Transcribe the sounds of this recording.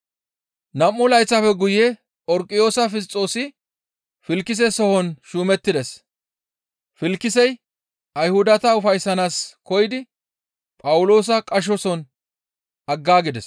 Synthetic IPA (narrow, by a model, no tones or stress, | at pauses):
nɐmːʊlɐjt͡sːɐfɛɡʊje | ʔɔɾkʼːɪjo̞ːsɐfɪst͡sʼːo̞ːsɪ | fɪlkːɪs̬ɛsɔhɔnʃuːmɛt̪ːɪd̪ɛs | fɪlkːɪsɛj | ɐjhʊd̪ɐt̪ɐʊfɐjsːɐnaːskɔjɪd̪ɪ | pʼɐwʊlo̞ːs̬ɐkʼɐʃ̬ɔsɔn | ɐɡːaːɡɪd̪ɛs